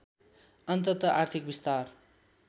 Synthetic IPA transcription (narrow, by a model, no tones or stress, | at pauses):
ʌnt̪ʌt̪ʌʔart̪ʰik̚bist̪ar